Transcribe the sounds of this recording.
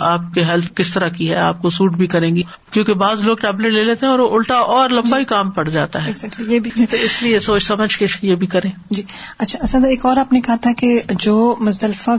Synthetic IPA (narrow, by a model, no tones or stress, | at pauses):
aːp̚keɦɛlt̪ʰkɪst̪ɐɾakiɦɛaːp̚kosuːʈbʱikɐɾẽːŋɡi | kjõːkebaːzloːɡʈɛːbleʈleːleːt̪eɦɛ̃ɔːɾoʔʊlʈaʔɔːɾlɐ̃mbaɦikaːmpɐɽ̤d͡ʒaːt̪aɦɛːzɛkʈlijebʱit̪oɪsliesoːt͡ʃsɐməd͡ʒkeʃjebʱikɐɾẽːd͡ʒiː | ɐtːʃʰaɐsə̃d̪eːkɔːɾaːpnekɐɦat̪ʰaɦɛked͡ʒoːmʊst̪əlfa